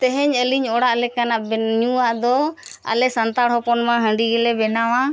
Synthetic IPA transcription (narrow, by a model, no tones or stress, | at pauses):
t̪ɛɦɛɲəliɲɔɽaʔlɛkanaʔbɲuwaʔd̪ɔa̰lɛsant̪aɽɦɔpɔnmaɦə̃ɳɖiɡɛlɛbɛnawa